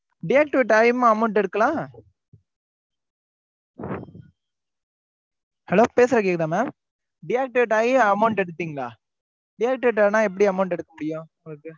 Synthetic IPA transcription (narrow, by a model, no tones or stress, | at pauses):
ɖɪjaːk̚ʈɪʋɪʈaːjmɐmɐʊɳʈɛɽɯkːɐlãː | hɛloːpeːsɐɾɐk̬eːk̚t̪ãːmaːm | ɖɪjaːk̚ʈɪʋʈaːjiɐmɐʊɳʈɛɽɯt̪ːiːŋɡɐɭa̰ː | ɖɪjaːk̚ʈɪʋɪʈaːnãːɛp̬ːɐɽiɐmɐʊɳʈɛɽɯkːɐmʊɽɪjʊ̃ | kː